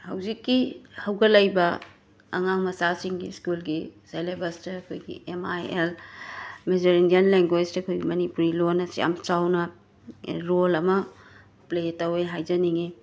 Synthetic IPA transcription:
hɐwzikːihɐwɡɐlɐjbɐ | ɐŋaŋmɐsasiŋɡḭskulɡiselebɐstɐɐkʰojɡḭemajel | mezɐɾindiɐnleŋɡwed͡ʒtɐɐkʰojɡimɐnipuɾilonɐsḭja̰mt͡ʃawnɐ | ɾolɐmɐ | pletɐweɦajd͡ʒɐniŋi

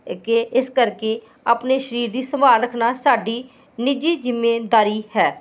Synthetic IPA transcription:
kɪʔɪskəɾkeː | aːpneːʃəɾiːɾd̪iːsəmaːɾəkʰnaːsaːɖiː | nɪd͡ʒiːzɪmːeːd̪aːɾiːhɛː

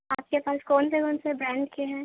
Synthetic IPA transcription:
aːp̚kepaːskoːnsekoːnsebɾɛ̃ːɳɖkiɦɛː

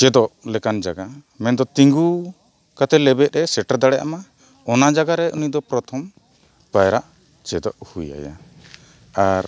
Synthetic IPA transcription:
t͡ʃɛd̪ɔʔlɛkand͡ʒaɡa | mɛnd̪ɔt̪iŋɡu | kat̪ʰɛlɛbɛʔ̪ɾɛsɛʈaɾd̪aɽɛjʔa̰ma | ɔnad͡ʒaɡaɾɛunid̪ɔpɾɔt̪ʰɔm | pajɾaʔ | t͡ʃɛd̪ɔʔhuja̰ja̰ | aɾ

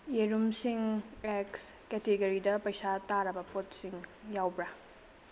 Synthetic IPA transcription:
jeɾumsiŋeks | kɛteɡɐɾidɐpɐjsataɾɐbɐpot̚siŋjawbɾɐ

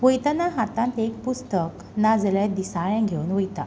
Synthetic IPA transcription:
ʋəjt̪anaɦat̪ãnt̪ek̚pust̪ək | nad͡zlajd̪isaɭɛ̃ɡʱewunʋəjt̪a̰

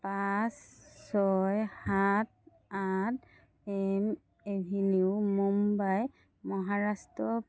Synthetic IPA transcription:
pasːɔjhat̚ | at | ɛm | ebʱiniʊmumbaj | mɔɦaɹastɹɔ

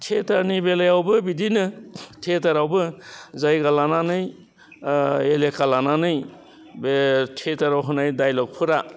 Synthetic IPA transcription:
tʰetaɾnibelajawbɯbidinɯtʰetaɾawbɯzajɡalananɯj | elekalananɯj | btʰetaɾawɦɔnajdajlɔk̚pʰɯɾa

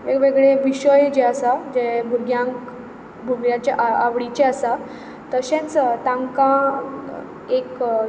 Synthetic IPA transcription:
ekʋeɡɭeʋiɕəjd͡ʑeasad͡ʑebʱuɾɡjãk | bʱuɡjãt͡ɕjaʔaaʋɽit͡ɕeasa | t̪əɕẽt͡st̪ãŋkã | ek

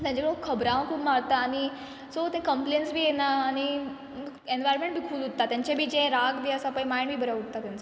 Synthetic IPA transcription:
t̪jãɲd͡ʑãkokʰːəbɾãʋ̃kʰuːbmaɽt̪aːñi | sot̪ɛ̃kəmplejənsbʱiːjenaːɽ̃i | mə | enʋajɾɔɾmẽɳʈ̚bʱikʰuːlut̪ːat̪jãɲt͡ɕabʱiːd͡ʑɛ̃ɾaɡd̪eəsapə̃jmajbʱiːbəɾaɦuʈt̪at̪jãnt͡sa

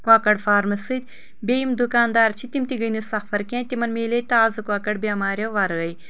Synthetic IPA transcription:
kwaːkɐɽfaːɾmɐsɨt̪̚ʲ | bʲeimd̪ukaːnd̪aːɾt͡ʃʰit̪imt̪iɡɐjnisɐxfɐɾkʲẽːt̪imɐnmeːlet̪aːzɨkwaːkɐɽbʲaːmaːɾʲɐwʋaːɾɨɣɐj

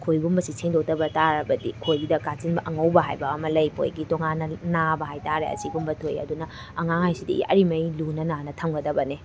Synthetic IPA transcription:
kʰojɡumbɐsisʰeŋdotɐbɐtaɾɐbɐdikʰojɡidɐkat͡ʃinbɐʔɐŋɐwbɐɦajbɐːmɐlɐjpʰo̰jɡitoŋanːɐnabɐɦajtaɾḛɐ̰siɡumbɐtʰojɐ̰dunɐ | ɐŋaŋhajsidɐ̰ḭɐ̰ɾimɐjlunɐnanɐtʰɐmɡɐdɐbɐne

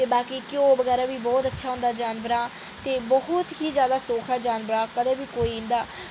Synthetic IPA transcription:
t̪eːbaːkiːkoːbəɡɛːɾaːʋiːbɔːt̪ətːʃʰaːɦʊ̃nd̪aːd͡ʒaːnʋəɾãː | t̪eːbəɦʊt̪ɦiːzjaːd̪aːsoːkʰaːd͡ʒaːnʋəɾãːkəd̪ẽːbʱiːkoːiːɪ̃nd̪aː

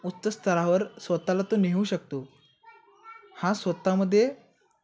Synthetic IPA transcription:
ut̪ːəst̪ʰəɾaʋəɾsʋət̪alat̪oneɦũɕək̚t̪o | hãsʋət̪aməd̪ʱːje

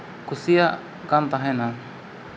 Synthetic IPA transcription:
kusia | kant̪aɦena

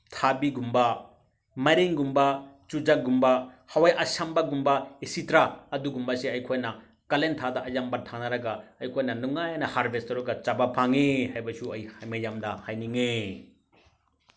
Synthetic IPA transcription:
tʰabiɡumbɐ | mɐɾiŋɡumbɐ | t͡ʃud͡ʒaɡumbɐ | hɐwajʔɐsambɐɡumbɐisitɾaːduɡumbɐseɐjkʰojnɐ | kɐlentʰadɐʔɐjambɐtʰanɐɾɐɡaɐjkʰojnɐnuŋajanɐhaɾbʱestɐɾuɡɐt͡ʃabapʰaŋehajbɐsuɐjhajmɐjamdɐhajniŋe

